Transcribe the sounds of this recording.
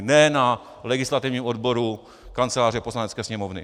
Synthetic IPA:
nɛna | lɛɡɪslat̪ɪvɲiːmodbo̞ɾu | kant͡sɛlaːr̝ɛpo̞slanɛt͡skɛːsɲɛmovnɪ̰

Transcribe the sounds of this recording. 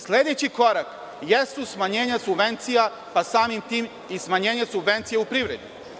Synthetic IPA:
sled̪et͡ɕiko̞ɾak | jest̪usmaɲe̞ːɲasubʋe̞nt̪sija | pasaːmimt̪iːm | ismaɲeːɲesubʋe̞nt̪sijeupɾiʋɾe̞d̪ɲṵ

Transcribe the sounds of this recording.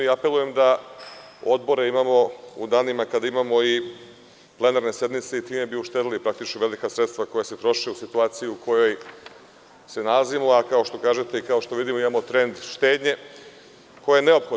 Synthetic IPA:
iape̞lˠuje̞md̪a | o̞d̪bo̞ɾeimamo̞ud̪aːnimakad̪aimamo̞i | ple̞naɾne̞sje̞d̪nmit̪se̞it̪iːme̞biuʃt̪e̞d̪ilipɾak̚t̪it͡ʃnoʋe̞likasɾe̞t̪st̪ʋako̞jaset̪ɾo̞ʃiusit̪uaːt̪sijuukʰo̞jo̞j | se̞nalazimoakao̞ʃt̪o̞kaːʒe̞t̪eikao̞ʃt̪o̞ʋid̪imoimamo̞t̪ɾe̞nd̪ʃt̪eːd̪ɲe̞ | ko̞jejene̞opxo

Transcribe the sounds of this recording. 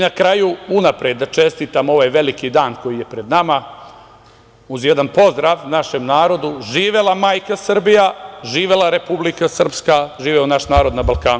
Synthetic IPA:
inakɾajuunapɾed̪ːat͡ʃe̞st̪it̪amo̞ʋaːjʋe̞likid̪aːnko̞jije̞pɾe̞d̪nama | uzjed̪anpo̞zd̪ɾaːʋnaʃe̞mnaːɾo̞d̪uʒiːʋelˠamaːjkasr̩bijaʒiːʋe̞laɾe̞publikasr̩pskaʒiːʋeunaʃnaːɾo̞d̪nabalˠkaːnu

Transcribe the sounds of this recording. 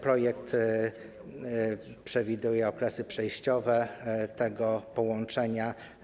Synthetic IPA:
pɾɔjɛk̚t̪ | pʂɛvʲid̪ujɛɔklɛsɘpʂɛjɕt͡ɕɔvɛt̪ɛɡɔpɔwɔnt͡ʂɛɲa

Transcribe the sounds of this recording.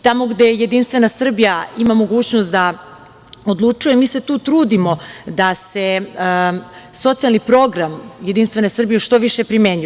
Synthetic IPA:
t̪amo̞ɡd̪eje̞d̪inst̪ʋe̞nasr̩bijaimamo̞ɡuːt͡ɕnost̪d̪a | od̪lˠut͡ʂujemiːse̞t̪uːt̪ɾuːd̪imo̞d̪ase̞ | so̞t̪sialnipɾo̞ɡɾamje̞d̪inst̪ʋe̞nesr̩bijeʃt̪o̞ʋiʃepɾime̞ːɲu

